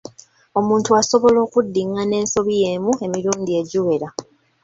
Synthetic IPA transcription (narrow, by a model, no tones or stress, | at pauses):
o̞muːntuaso̞βo̞lo̞ːkudːiŋane̞ːnso̞βije̞ːmue̞miɾuːndie̞ɟuwe̞ɾa